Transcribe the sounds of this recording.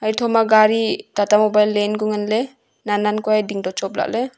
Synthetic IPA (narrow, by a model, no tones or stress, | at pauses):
ajtʰɔmaɡaɾitatamobajlːenɡuŋanle | nanankɔajdiŋdɔt͡ʃɔp̚la̰k̚le